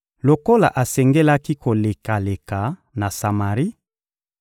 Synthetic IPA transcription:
lo˨ko˦la̰˨ʔa˨sɛ˨ŋɡe˦la˦ki˦ko˨le˨ka˨le˨ka˨na˨sa˨ma˨ʁi˦

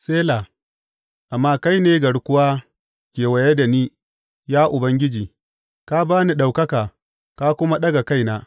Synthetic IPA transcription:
seː˦laː˨ | ʔa˨mːaː˦ka˦jneː˦ɡɐ˨ɽkʷʊ˦waː˦ | kʲeː˨wa˨je˦da˨niː˦ | jaː˦ʔʊ˨bɐ˦ŋɡʲɪ˦d͡ʒiː˨ | ka˦baː˦ni˦ɗa˨wkɐ˦kaː˨ | ka˦kʷʊ˦ma˦ɗɐ˦ɡa˨ka˦jnaː˦

